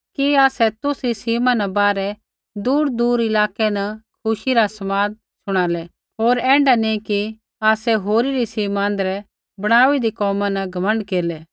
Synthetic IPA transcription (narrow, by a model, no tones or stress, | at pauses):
kiaːsɛt̪ʊsɾisiːmãnɐbaːɾɛ | d̪uːɾd̪uːɾɪlaːkɛnɐkʰʊʃiɾasɐmaːd̪̚ | sʊɽ̃aːlɛ | ɦoːɾɛ̃ːɳɖanĩki | aːsɛɦoːɾiɾisiːmãːnd̪ɾɛ | bɐɽ̃aːʋid̪ikɔːmãnɐɡʱɐmə̃ɳɖkeːlɛː